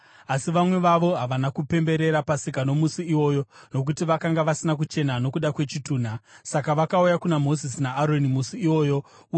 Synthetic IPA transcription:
asiʋamwe̞ʋaʋo̞ɦaʋanakupe̞mbe̞ɾe̞ɾapasikano̞musiiwo̞ːjo̞no̞k̬utiʋakaŋɡaʋasinak̬ut͡ʃe̞nano̞kuɗakwe̞t͡ʃituːn̤asakaʋakaujakunamo̞zisnaːɾo̞nimusiiwo̞ːjo̞

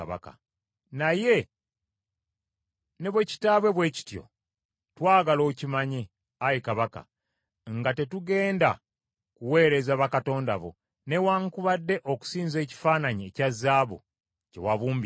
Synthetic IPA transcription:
βa̰ka̰ | naje̞ | ne̞βwe̞ci̥taːβwe̞βwe̞ːci̥tjo̞̰ | twaːɡalo̞ːcimaɲe | ajikaβaka̰ | ŋɡate̞tuɡe̞ːnda | kuwe̞ːɾe̞zaβakato̞ːnda̰βo̞̰ | ne̞waŋkuβadːe̞ʔoku̥siːnze̞ːci̥faːnaɲiecazːaːβo̰ | ce̞̰waβuːmb

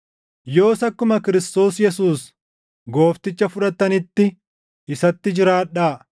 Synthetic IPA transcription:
jo̞ːsɐkːʊmɐkɪɾɪst̪o̞ːsjɛsuːs | ɡo̞ːft̪ɪt͡ʃːɐfʊᶑɐt̪ːɐnɪt̪ːɪ | ɪsɐt̪ːɪd͡ʒɪɾaːᶑːaː

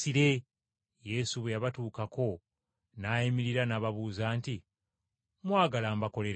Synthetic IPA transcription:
iɾe̞ | je̞ːsuβejaβatuːkako̞ | naːjimiɾiɾanaːβaβuːzaːnti | mwaːɡalaːmbako̞le̞ɾ

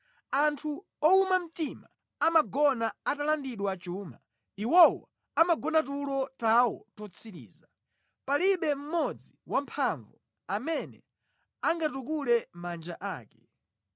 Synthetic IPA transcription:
antʰu | ɔumam̩tima | amaɡɔnaatalandiɗwaat͡ʃuːma̰ | iwɔwɔ | amaɡɔnat̬ulɔtawɔtɔt͡sʰiɾḭːza | paliɓɛm̩mɔd͡ziwam̩pʰaɱvɔ | amɛnɛ̰ | aŋɡatuk̬ulɛmand͡ʒaʔaːkɛ

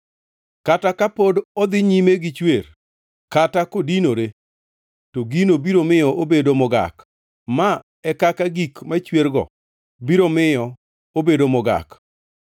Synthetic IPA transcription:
katakapodɔd̪ɪɲimeɡɪt͡ʃwer | katakodinoɾe | toɡinobiɾomɪjɔʔobedomʊɡa̰k | ma | ɛkakaɡikmat͡ʃweɾɡɔ̰ | biɾomɪjɔ | obedomʊɡa̰k

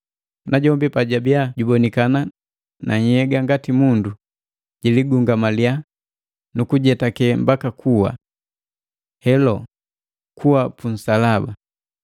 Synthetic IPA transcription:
naɟɔmbipaɟabiaɟubɔnikana | nʔaɲ̩hɛɡaŋɡatimundu | ɟ̥iliɡuŋɡamalia | nukuɟɛtakɛmbakakʰuwa̰ | hɛlɔ | kʰuwapun̩salaba

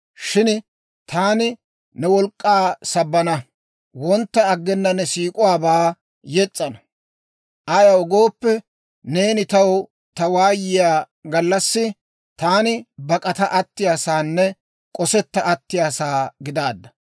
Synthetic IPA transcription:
ʃɪn | t̪ʰaːnɪ | nɛwɔlkʼːaːsɐbːɐnɐ | wɔnt̪ːɐːɡːɛnːɐnɛsiːkʼʊwaːbaː | jɛt͡sʼːɐnɐ | ʔɐjɐwɔɡoːpːɛ | ne̞ːnɪt̪ɐw | t̪ɐwaːjɪjaː | ɡɐlːɐsːɪ | t̪aːnɪbɐkʼɐt̪ɐʔɐt̪ːɪjaːsaːnːɛ | kʼɔsɛt̪ːɐʔɐt̪ːɪjaːsaːɡɪd̪aːd̪ːɐ̥

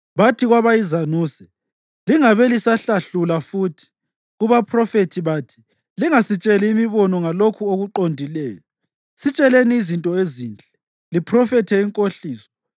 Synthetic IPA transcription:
βatʰiɣwaβajizanuːsɛ̥ | liŋaβɛlisaɬaɬulafutʰi̥ | uβapʰrɔfetʰiβaːtʰi̥ | liŋasit͡ʃʼɛliːmiβɔnɔŋalokʰuoɣuǃondʱilɛːjɔ | sit͡ʃʼɛleniːzintʼɔeziːnd͡ɮʼɛ | lipʰrɔfɛtʰɛiŋkʼoɬiːsɔ̥

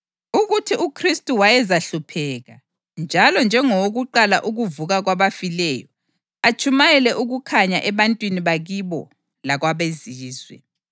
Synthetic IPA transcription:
uɣutʰiʔukʰristʼuwajɛzaɬupʰɛːɣa | nd͡ʒʱalɔnd͡ʒʱɛŋɔoɣuǃalaʔuɣuvuɣaɣwaβafilɛjɔ̰ | at͡ʃʰʼumajɛlɛʔuɣukʰaɲaʔɛβantʼwiniβaɣiβɔ̰ | laɣwaβeziːzwɛ̰

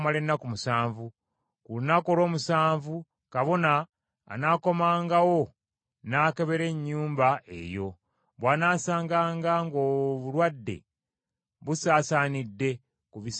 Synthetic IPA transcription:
male̞nːakumusaːɱvu | kulunako̞ɾo̞ːmusaːɱvu | kaβo̞na̰ː | naːko̞maːŋɡawo̞ | naːkeβe̞ɾe̞ɲːuːmbaʔe̞̰jo̞̰ | βwaːnaːsaːŋɡaːŋɡaŋɡoβulwadːe̞̰ | βusaːsaːnidːe̞ | kuβis

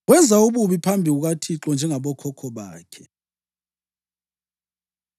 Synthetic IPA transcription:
wɛnd͡zʱauɓuɓipʰambʱiuk̬atʰiǁɔnd͡ʒʱɛŋaɓɔkʰɔkʰɔɓaːkʰɛ

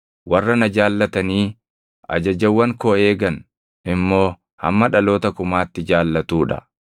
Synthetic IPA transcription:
wɐrːɐnɐd͡ʒaːlːɐt̪ɐniː | ʔɐ̰d͡ʒɐd͡ʒɐwːɐŋkoːe̞ːɡɐn | ɪmːo̞ː | hɐ̰mːɐᶑɐlo̞ːt̪ɐkʊmaːt̪ːɪd͡ʒaːlːɐt̪uːᶑɐ̥̰

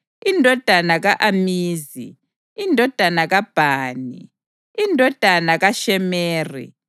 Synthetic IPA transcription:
indʱɔd̥ʱanaɣaʔamiːzḭ | indʱɔd̥ʱanaɣab̥ʱaːnḭ | indʱɔd̥ʱanaɣaʃɛmeːrḭ

